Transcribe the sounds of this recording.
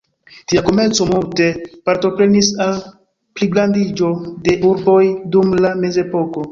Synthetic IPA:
tiako̞me̞ɾt͡so̞multe̞paɾto̞pɾe̞nisal | pliɡlandid͡ʒo̞de̞ʔuɾbo̞jdumlame̞ze̞po̞ko̞

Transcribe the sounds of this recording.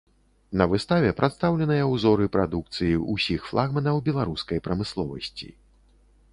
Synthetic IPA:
nɐvɨst̪avʲɛpɾʔat̪st̪awlʲɛnɨjɐwzɔɾɨpɾa̰d̪uk̚t̪sɨjiʔusʲixflˠaɣmɐnɐwbʲɛlˠaɾuskɐjpɾɐmɨslˠɔvɐ̰sʲt͡sʲḭ

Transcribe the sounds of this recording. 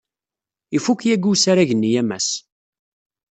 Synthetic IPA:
ifukjæɡusaɾaʝənːijæmæs

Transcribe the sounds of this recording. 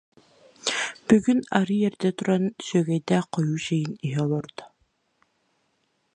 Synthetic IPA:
b̥yɡynaɾɯjɛɾd̪ɛt̪uɾansœɡɛjd̪ɛqɔjuːʃɛjiniɦɛɔlˠɔɾd̪ɔ̥

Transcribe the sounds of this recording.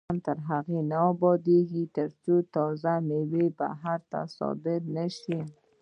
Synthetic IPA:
nt̪əɾɦaɣenaɔbɔd̪eɡit̪əɾt͡ʃut̪ɔzameweba̰ɦaɾt̪a̰sɔ̰bɪɾnaʃi

